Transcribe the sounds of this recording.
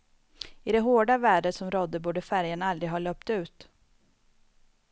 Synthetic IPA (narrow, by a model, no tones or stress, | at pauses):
ɪd̪ɛɦoːɖavæːɖət̪sɔmɾɔd̪ːəbuːɖəfæɾjənald̪ɾɪɦɑːløːpt̪ʉ̟ːt̪